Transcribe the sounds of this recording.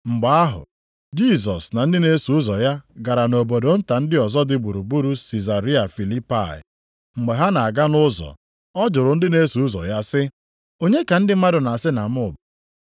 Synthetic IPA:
ŋ͡m̩˨ɡ͡ba˨˦a˦ɦʊ̰˨ | d͡ʒi˦˨sɔ˨sna˨n̩˦dɪ˦ne˦su˨ʊ˦zɔ˨ja˦ɡa˨ɾa˨no˨bo˨do˨n̩˦ta˨n̩˦dɪ˦ɔ˨zɔ˦dɪ˦bu˨ɾu˨bu˦ɾu˦si˨za˨ɾi˦a˨fi˨li˦pa̰˦˨ɪ̰˨ | ŋ͡m̩˨ɡ͡be˨ɦa˦na˨a˨ɡa˦nʊ˦zɔ̰˨ | ɔ˦d͡ʒʊ˨ɾʊ˨n̩˦dɪ˦ne˦su˨ʊ˦zɔ̰˨ja˦sɪ˦ | o˦ɲe˦ka˨n̩˦dɪ˦ma˦dʊ˨na˨a˨sɪ˦na˨m̩˦ʊ˦˨ba˨

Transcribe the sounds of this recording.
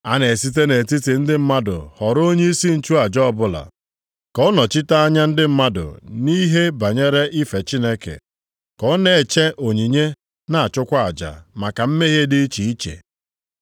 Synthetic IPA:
a˦ne˨si˦te˦ne˨ti˦ti˨n̩˦dɪ˦m̩˦ma˦dʊ̰˨hɔ˨ɾo˦ɲe˦i˦si˦n̩˨t͡ʃu˦a˨d͡ʒɔ˦˨bʊ˦la̰˨ | kɔ˦nɔ˨t͡ʃi˦ta˦a˦ɲa˦n̩˦dɪ˦m̩˦ma˦dʊ̰˨ni˦ɦe˦ba˨ɲe˦ɾe˦ʔi˦fe˨t͡ʃi˦ne˦kḛ˨ | kɔ˦ne˨e˨t͡ʃe˦ʔo˨ɲi˨ɲe˦ | na˨a˨t͡ʃʊ˦kʷa˦a˨d͡ʒa̰˨ma˨ka˨m̩˦me˦ɦe˦dɪ˦i˦t͡ʃi˨i˦t͡ʃḛ˨

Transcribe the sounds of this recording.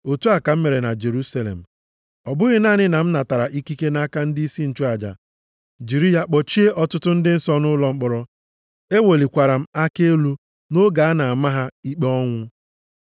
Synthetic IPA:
o˨tu˦a˨ka˨m̩˦me˨ɾe˨na˨d͡ʒe˨ɾu˦sa˦lḛ˨m̩˨ | ɔ˨bʊ˦ɣɪ˦naː˦˨ɲɪ˦na˨m̩˦na˨ta˨ɾa˨ʔi˦ki˦ke˦na˦ka˦n̩˦di˦i˦si˦n̩˨t͡ʃu˦a˨d͡ʒa̰˨ | d͡ʒi˨ɾi˦ja˨k͡pɔ˨t͡ʃi˦e˦ʔɔ˨tʊ˦tʊ˦n̩˦dɪ˦n̩˦sɔ˦nʊ˦lɔ˦ŋ͡m̩˦k͡pɔ˨ɾɔ˨ | e˦wo˨li˨kʷa˨ɾa˨m̩˦a˦ke˦lu˦ | no˦ɡa˨a˦na˨a˨ma˦ɦa˦i˦k͡pe˦ɔ˦ŋʷʊ˦

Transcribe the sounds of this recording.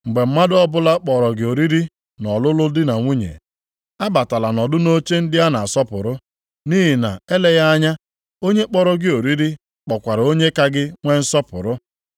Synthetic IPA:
ŋ͡m̩˨ɡ͡be˨m̩˦ma˦dɔ˦bʊ˦la˦k͡pɔ˨ɾɔ˨ɡɪ˨o˨ɾi˦ɾi˦ | nɔ˨lʊ˦lʊ˦dɪ˦na˨ŋʷu˦ɲḛ˨ | a˦ba˨ta˨la˨nɔ˨dʊ˦no˦t͡ʃe˦n̩˦dɪ˦a˦na˨a˨sɔ˦pʊ̰˨ɾʊ˦ | ni˦ɦi˨na˨e˦le˦ja˦a˦ɲa˦ | o˦ɲe˦k͡pɔ˦ɾɔ˦ɡɪ˦o˨ɾi˦ɾi˦ | k͡pɔ˨kʷa˨ɾa˨o˦ɲe˦ka˦ɡɪ˦ŋʷe˦n̩˦sɔ˦pʊ̰˨ɾʊ˦

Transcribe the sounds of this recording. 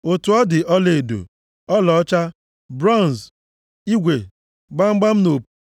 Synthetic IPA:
o˨tu˨ɔ˦dɪ˨ʔɔ˦le˨do̰˨ | ɔ˦lɔ˨ɔ˦t͡ʃa˦ | bɾɔ˦˨n˨s | i˦ɡʷe˨ | ɡ͡ba˦ŋ͡m̩˦ɡ͡ba˦m̩˦no˨p

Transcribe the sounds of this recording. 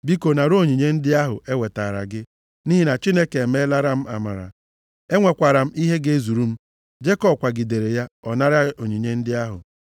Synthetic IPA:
bi˦ko˨na˨ɾo˦˨ɲi˨ɲe˦n̩˦dɪ˦a˦ɦʊ˨e˦we˨ta˨ɾa̰˨ɡɪ˦ | ni˦ɦi˦na˨t͡ʃi˦ne˦ke˨me˦la˦ɾa˦m̩˦a̰˨ma̰˨ɾa̰˨ | e˦ŋʷe˨kʷa˨ɾa˨m̩˦i˦ɦe˦ɡe˦zu˨ɾu˦m̩˦ | d͡ʒe˦kɔ˦kʷa˨ɡi˨de˨ɾe˨ja˦ɔ˨na˦ɾa˦o˨ɲi˨ɲe˦n̩˦dɪ˦a˦ɦʊ̰˨

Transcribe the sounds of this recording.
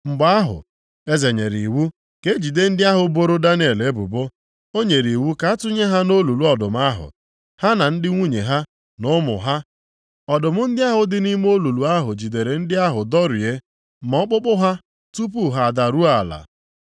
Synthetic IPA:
ŋ͡m̩˨ɡ͡ba˦a˦ɦʊ̰˨ | e˦ze˨ɲe˨ɾi˨wu˦ | ke˦d͡ʒi˨de˦n̩˦dɪ˦a˦ɦʊ˨bo˦ɾo˦da˦n˦e˨le˦bʊ̰˨bo˦ | o˦ɲe˨ɾi˨wu˦ka˦tʊ˦ɲe˦ɦa˦no˦lu˨lu˦ɔ˨dʊ˨m˦a˦ɦʊ̰˨ | ha˦na˨n̩˦dɪ˦ŋʷu˦ɲe˨ɦa˦ | nʊ˦mʊ̰˨ɦa˦ | ɔ˨dʊ˨mʊ˦n̩˦dɪ˦a˦ɦʊ˨dɪ˦ni˦m˦o˦lu˨lu˨a˦ɦʊ̰˨d͡ʒi˨de˨ɾe˨n̩˦dɪ˦a˦ɦʊ˨dɔ˦ɾi˨e˦ | mɔ˦k͡pʊ˦k͡pʊ˦ɦa˦ | tu˦p̬u˦ɦa˨a˨da˨ɾu˦a˨la̰˨

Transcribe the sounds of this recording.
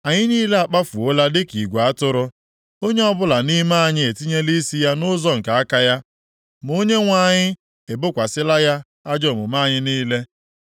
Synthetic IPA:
a˨ɲɪ˦niː˦le˦a˨k͡pa˦fu˨o˦la˦dɪ˦ki˨ɡʷa˦tʊ˦ɾʊ˦ | o˦ɲe˦ɔ˦bʊ˦la˨ni˦ma˦˨ɲɪ˦e˨ti˦ɲe˦li˦si˦ja˦nʊ˦zɔ˦ŋ̩˨ka˨a˦ka˦ja˦ | m˨o˦ɲe˦ŋʷa˦˨ɲɪ˦ | e˨bʊ˦kʷa˨sɪ˦la˦ja˦ | a˦d͡ʒɔ˦˨mʊ˨ma˦˨ɲɪ˦niː˦le˦

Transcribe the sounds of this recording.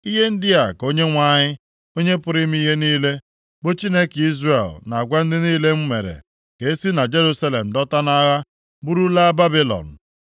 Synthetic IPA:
i˦ɦe˦n̩˦dɪ˦a˨ko˦ɲe˦ŋʷa˦˨ɲɪ˦ | o˦ɲe˦pʊ˨ɾi˦m˦i˦ɦe˦niː˦le˦ | bo˦t͡ʃi˦ne˦ki˦zre˨lna˨a˨ɡʷa˦n̩˦dɪ˦niː˦le˦m̩˦mḛ˨ɾḛ˨ | ke˨e˦si˦na˨d͡ʒe˦ɾu˦sa˦le˨m̩˨dɔ˦ta˦na˦ɣa˦ | bu˦ɾu˦la˦ba˦bi˦lɔ̰˨n̩˨

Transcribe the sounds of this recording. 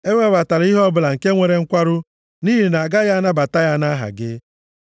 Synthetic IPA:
e˦ŋʷe˦ba˨ta˨ɾi˦ɦɔ˦bʊ˨la˨ŋ̩˨ke˦ŋʷe˨ɾe˨ŋ̩˦kʷa˦ɾʊ˦ | ni˦ɦi˨na˨ɡa˦ja˦a˦na˦ba˨ta˦ja˦na˦ɦa̰˨ɡɪ˦

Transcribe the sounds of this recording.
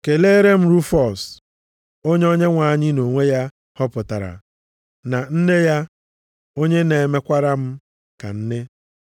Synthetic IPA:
ke˨le˦ɾe˦m̩˦ɾu˦fɔ˨s | o˦ɲ˦ɔ˦ɲe˦ŋʷa˨ɲɪ˦no˨ŋʷe˦ja˦ | hɔ˦pʊ˨ta˨ɾa̰˨ | na˨n̩˦ne˦ja˦ | o˦ɲe˦ne˨e˨me˦kʷa˦ɾa˦m̩˦ | ka̰˨n̩˦nɪ˦

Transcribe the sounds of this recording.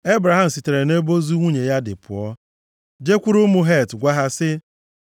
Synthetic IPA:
e˦bɾa˨ɦa˦m̩˨si˨te˨ɾe˨ne˦bo˦zu˦ŋʷu˦ɲe˨ja˦dɪ̰˨pʊ̰˨ɔ˦ | d͡ʒe˦kʷu˦ɾʊ˦mʊ˦ɦe˦˨tɡʷa˦ɦa˦sɪ˦

